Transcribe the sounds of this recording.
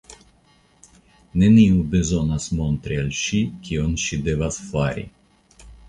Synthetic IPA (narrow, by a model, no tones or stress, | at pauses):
nɛniubezɔnasmɔnt̪ɾʲelʲʃikʲʰiɔnʃid̪ɛvasfaɾʲḭ